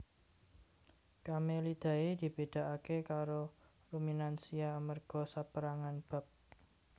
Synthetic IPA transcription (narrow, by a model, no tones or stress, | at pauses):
kamelid̪̥ä̤ed̪̥i̤b̥e̤d̪̥a̤ʔakekaɾo | ruminansiamərɡ̥ɔ̤sapəɾaŋanb̥a̤p̚